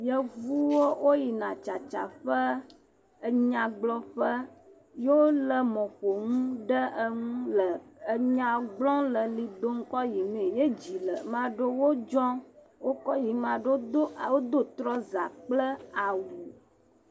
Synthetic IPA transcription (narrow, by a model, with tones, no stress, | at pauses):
jə˦vu˦wo˦wo˦ji˨nã˨t͡ʃa˨t͡ʃa̰˨ɸə˦ | ə˦ɲã˨ɡ͡blɔ˦ɸə˦ | jo˦lə˨mɔ̃˨ɸo˨ŋũ˦ɖə˦ʔə˦ŋũ˦lə˨ə˦ɲã˦ɡ͡blɔ̃˦lə˨li˨d̪o˦ŋ̩˦kɔ˦ji˨mẽ˨je˦d͡ʑi˨lə˨mã˦ɖə˦wo˦d͡ʒɔ̃˦ | wo˦kɔ˦ji˨mã˨ɖo˦˨wo˦d̪o˦t̪ɾɔ˦za̰˨k͡plə˦a˨wu˨